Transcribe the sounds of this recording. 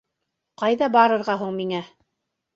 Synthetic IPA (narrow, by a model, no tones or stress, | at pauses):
qɑjðɑbɑɾɤ̆ɾʁɑɦuɴmiŋæ